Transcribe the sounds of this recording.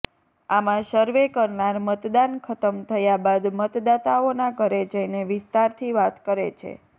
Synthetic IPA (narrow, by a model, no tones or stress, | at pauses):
amãʃəɾʋekəɾnaɾmət̪d̪ankʰət̪əmt̪ʰəjabad̪mət̪d̪at̪aonakəɾed͡ʒʰeneʋɪst̪aɾt̪ʰiʋat̪kəɾḛt͡ʃʰḛ